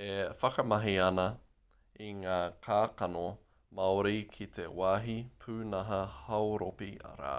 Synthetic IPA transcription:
efɐkɐmɐɦiɐnɐ | iŋaːkʰaːkɐno | mɐoɾikʰit̪ʰḛwaːɦipʰʉːnɐɦɐhɐwɾopiɐ̰ɾa̰ː

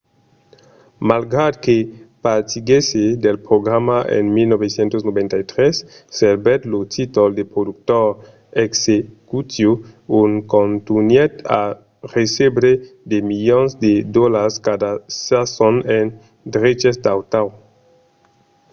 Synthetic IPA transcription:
malɡɾad̚kepatiɡesedelpɾoɡɾamaʔḛnmilnobesjentosnobentajtɾesːeɾbetlotʰitoldepɾoduk̚toɾ | eksekutjounkontunjeta̰ | ɾesebɾedemiljonsdedolaskadasasonen | dɾet͡ʃesdawtaw

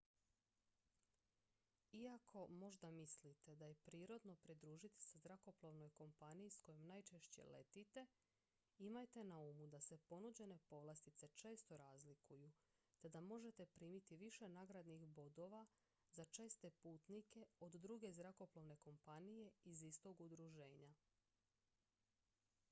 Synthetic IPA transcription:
iakʰo̞mo̞ʒd̪amislit̪e̞d̪aje̞pɾiːɾo̞d̪no̞pɾid̪ɾuːʒit̪i̥sezɾako̞plˠoʋno̞jko̞mpanijisko̞jomnajt͡ʃe̞ʃt͡ɕe̞̰le̞̰t̪it̪e̞ | imajt̪e̞naumud̪ase̞po̞nud͡ʑe̞ne̞po̞ʋlˠest̪it̪se̞t͡ʃe̞ːst̪o̞ɾaːzlikuju | t̪e̞d̪amo̞ʒe̞t̪e̞pɾiːmit̪iʋiʃe̞naɡɾad̪nixbo̞d̪o̞ʋa | zat͡ʃe̞ːst̪e̞puːt̪nike̞od̪d̪ɾuɡe̞zɾako̞ploʋne̞ko̞mpanije̞izist̪o̞ɡud̪ɾuʒe̞ːɲa

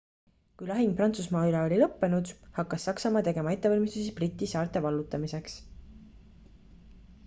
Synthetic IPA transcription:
kujlɑɦiŋ̚prɑnt̪susmɑːylɑo̞lʲilɤpːe̞nud̪̥hɑkːˑɑsːɑksɑmɑːt̪e̞ɡe̞mɑe̞t̪ːe̞ɑlʲmist̪usibrit̪ʲːˑisɑːrt̪e̞vɑlːut̪ːˑɑmise̞ks

